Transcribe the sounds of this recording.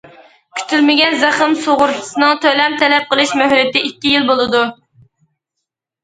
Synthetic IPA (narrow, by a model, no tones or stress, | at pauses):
kʲʰy̥t̪ʰylmɪɡʲɛnzæχɨmsoʁʊɾt̪ʰɨ̥sɨnɨŋt̪ʰølɛmt̪ʰɛlɛp̚qəlˠɨʃmøɦɾɪt̪ɪikʲːijilbolˠɨd̪u